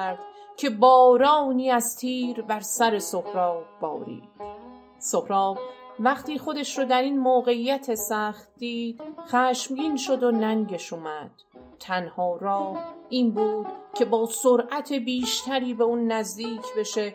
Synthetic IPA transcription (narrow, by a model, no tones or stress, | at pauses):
ɾd̪̥cʰe̞bɒːɾɒːniːæzt̪ʰiːɾbæɾsæɾe̞sohɾɒːbbɒ̰ːɾḭːd̪̥ | sohɾɒːbvæχt̪iːχo̞d̪eʃɾod̪æɾiːnmoːɣe̞ijæt̪ʰe̞sæχt̪̚d̪iːd̪̥χæːʃmɡiːnʃo̞d̪o̞næŋɟe̞ʃumæd̪̥ | t̪ʰænhɒːɾɒːhʔiːnbuːd̪̥cʲʰe̞bɒːsoɾʔæt̪ʰe̞biːʃt̪ʰæɾiːbe̞uːnːæzd̪iːcʰbe̞ʃe